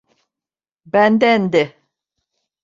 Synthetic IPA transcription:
bænd̪ænd̪e

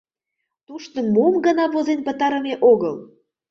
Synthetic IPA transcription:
t̪uʃt̪ə̆mumɡə̆nɑβozenpə̆t̪ɑɾə̆meʔoɣəl

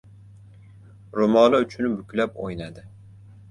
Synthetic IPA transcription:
ɾʊmɒlˠʊt͡ʃʰʊnbʊkʲʰlapojnad̪ɪ

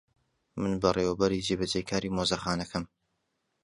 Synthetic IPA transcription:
mɨnbɐreːwɐbɐɾiːd͡ʒeːbɐd͡ʒeːjkʰaːɾiːmoːzɐxaːnɐkʰɐm

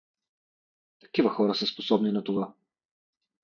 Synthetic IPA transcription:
t̪ɐ̥kivəxɔɾəsəsposɔbninɐt̪ova

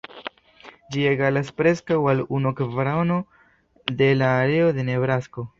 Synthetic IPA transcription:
d͡ʒieɡalaspɾe̞skawalunokvɾono̞ | de̞laːɾe̞od̪e̞ne̞vɾasko̞

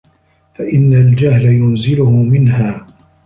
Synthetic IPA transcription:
faʔɪnːald͡ʒahlajʊnzɪlʊhʊmɪnɦaː

